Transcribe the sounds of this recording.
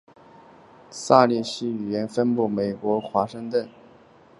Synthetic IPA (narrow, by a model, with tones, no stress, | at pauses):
sa˥˧li˥˩ɕi˥y˨˩jɛ˧˥nfə˥npu˥˩me˨˩ɪkwɔ˧˥xwa˧˥ʂɤ˥˧ŋt̪wə˥˩n